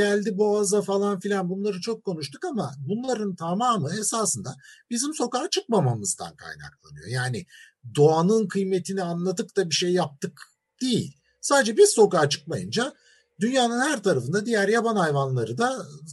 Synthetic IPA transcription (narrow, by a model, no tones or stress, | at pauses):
ælʲd̪iboazd̪afalˠanfilʲanbunlˠaɾɯt͡ʃʰo̞kʰːo̞nuʃt̪ʰukama̰bunlˠaɾɯnt̪ʰamaːmɯesaːsɯnd̪abizimso̞kaːt͡ʃʰɯk̚mamamɯzd̪a̰nkʰa̰jna̰klˠa̰nɯjo̞̰jaːnɪ | d̪o̞anɯnkʰɯjmet̪ʰinianlˠad̪ɯk̚t̪abiʃejːap̚t̪ʰɯk | d̪̥ijḭlʲ | saːd̪ed͡ʒɛbiz̥so̞kaːt͡ʃʰɯ̥k̚majɯnd͡ʒa | d̪ynjaːnɯnhæɾt̪ʰaɾafɯnd̪ad̪ijæɾjabanhajvanlˠaɾɯd̪a